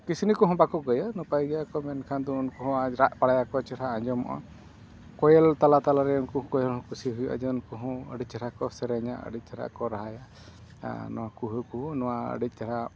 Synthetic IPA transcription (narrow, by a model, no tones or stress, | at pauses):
kisinikuɦɔ̃bakɔʔɡɔjanɔpajɡɛjakɔmɛnkʰand̪ɔunkɔɦɔ̃aɾaʔpaɽajakɔt͡ʃɛɾaaɲd͡ʒɔmɔ̰ʔɔ̰ | kɔjɛlt̪alat̪alaɾɛunkɔɦkɔjɛlhɔ̃kusiɦujaʔa̰d͡ʒɛunkuɦɔ̃ə̰ɖit͡ʃɛɾakɔsɛɾɛɲa̰ʔə̰ɖit̪̚t͡ʃɛɾa̰ʔkɔɾaɦaja̰ | nɔ̰wakuɦukunɔwaə̰ɖit̪̚ˀt͡ʃɛɾa